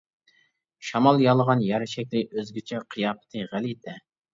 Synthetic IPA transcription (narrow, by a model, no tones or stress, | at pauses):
ʃɑmɑlˠjɑlˠəʁɑnjɛɾɪʃɛk̚ʲlɪøzɡʲit͡ʃʰɛqʰɨjɑːpɨ̥t̪ʰɨʁælit̪ʰɛ